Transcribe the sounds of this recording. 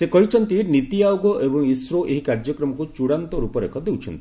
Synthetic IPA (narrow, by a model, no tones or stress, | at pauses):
sekɔɦit͡ʃʰɔnt̪init̪iawɡɔʔebɔŋisɾoʔeɦikaɾd͡ʒɔkɾɔmɔkut͡ʃuɽant̪ɔɾupɔɾekʰɔd̪ewt͡ʃʰɔnt̪ii̥